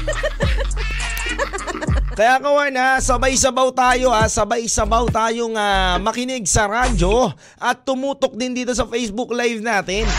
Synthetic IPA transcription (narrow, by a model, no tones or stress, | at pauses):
kɐjakɐwanasɐbajs̬ɐbawt̪aːjo̞ʔasɐbajsɐbawt̪aːjo̞ŋamɐkɪnɪɡ̚sɐɾaːd͡ʒo̞ | ʔɐt̪ːʊmuːt̪ok̚d̪ɪnd̪iːt̪o̞s̬ɐfɛjsbʊklajvnaːt̪ɪn